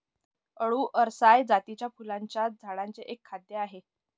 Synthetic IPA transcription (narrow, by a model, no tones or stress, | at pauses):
əɭuːʔəɾsajd͡zat̪it͡ɕjafulaɲt͡ɕjad͡zʱaɽaɲt͡seʔekʰːad̪jeaɦe